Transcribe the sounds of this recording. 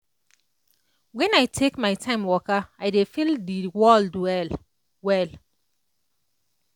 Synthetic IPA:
wɛ̃najtʰekmaɪtʰãɪ̃mwɔkaaɪdefildiwɔldɛl | wɛl

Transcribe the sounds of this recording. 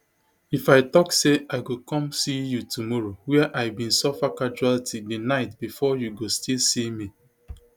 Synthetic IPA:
ifaɪtɔkseaɪɡokɔ̃msijutumɔɹowɛɛʔaɪbĩnsɔfakad͡ʒualtʰidinaɪtbifɔjuɡostilsimi

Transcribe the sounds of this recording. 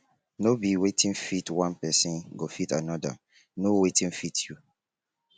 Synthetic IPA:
nobiwetʰĩnfitwãnpɛsĩnɡofitanɔda̰ | nowetĩnfitʰju

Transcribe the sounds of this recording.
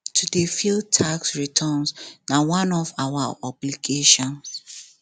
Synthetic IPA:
tʰudefil̚tʰaksɹitʰɔnsnawãnɔvawaɔbliɡeʃɔ̃ns

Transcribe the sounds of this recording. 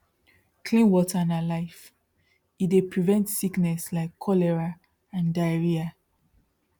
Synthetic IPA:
kʰlĩnwɔtʰanalaɪf | idepʰɹivɛ̃ntsiknɛslaɪkʰːɔlɛɹa | ãndaɹia

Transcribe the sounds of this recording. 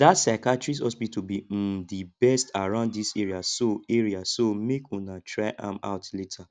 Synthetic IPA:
datsaɪkatɹis̬ɔsbitubidibɛstaɹãʊ̃ndðiseɹiasoɛɹiasomekũnatʰɹaɪʔã̰ma̰ʊtletʰa

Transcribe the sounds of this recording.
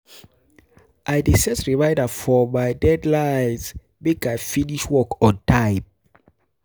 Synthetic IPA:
ʔajdisɛsɹivaɪdəfɔmajdɛdlajns | mikajfiniʃwɔkɔ̃ntʰaɪp̚

